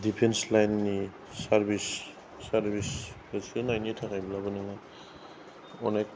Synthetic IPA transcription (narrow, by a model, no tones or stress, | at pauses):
dipʰenslajnːi | saɾbisː | aɾbisɾasinajnitʰakajblabɯnaŋa | ɔnajk